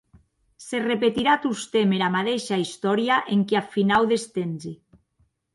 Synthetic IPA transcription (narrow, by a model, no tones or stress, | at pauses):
serepet̪iɾat̪ust̪emeɾamat̪eʃaist̪ɔɾjaʔeŋkeafinawðest̪enzi